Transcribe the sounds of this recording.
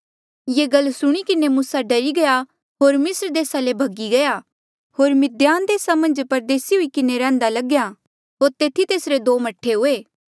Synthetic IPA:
jeːɡɐlːsʊɽ̃ikɪnemusaɖɐɾiɡɐja | ɦoːɾmɪsɾd̪eːsalebʱɐɡiɡɐja | ɦoːɾmɪd̪jaːnd̪eːsamɐ̃nd͡ʒpɐɾd̪eːsiɦʊikɪneɾɛ̃ːnd̪alɐɡja | ɦoːɾt̪eːt̪ʰit̪eːsɾed̪oːmɐʈʰːeɦʊːeː

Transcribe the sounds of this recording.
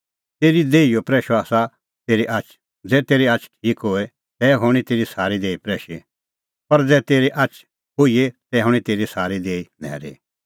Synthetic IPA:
t̪eːɾid̪eːijopɾɛːʃoaːsa | t̪eːɾiʔat͡ʃʰ | d͡zɛːt̪eːɾiat͡ʃʰʈʰiːkɦoːɛ | t̪ɛːɦoːɽ̃it̪eːɾisaːɾid̪eːipɾɛːʃi | pɐɾd͡zɛːt̪eːɾiʔat͡ʃʰ | ɦoiet̪ɛɦʊ̃ɽ̃ĩt̪eːɾisaːɾid̪eːilɛ̰ːɾḭ

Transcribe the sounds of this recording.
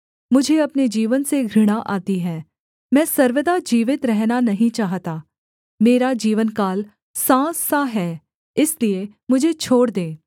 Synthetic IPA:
mʊd͡ʒʱeɐpned͡ʒiːʋənseɡʱɾɪɽ̃aʔaːt̪iɦɛː | mɛ̃ːsɐɾʋəd̪ad͡ʒiːʋɪt̪ɾɛɦnanɐɦĩt͡ʃaːɦt̪aː | meːɾad͡ʒiːʋənkaːl | sãːsaɦɛː | ɪslie | mʊd͡ʒʱet͡ʃʰoːɽd̪ẽː

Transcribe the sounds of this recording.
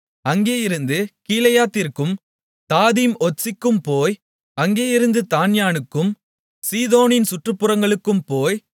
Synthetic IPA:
ɐŋɡeːjɪɾɯnd̪ɯkiːlɐjaːt̪ːɪɾkɯm | t̪aːðiːmɔsɪkːɯmpoːj | ɐŋɡeːjɪɾɯnd̪ɯt̪aːnjaːnɯkːɯm | siːðoːnɪnsʊʈrɯpːɯɾɐŋɡɐɭɯkːɯmpoːj

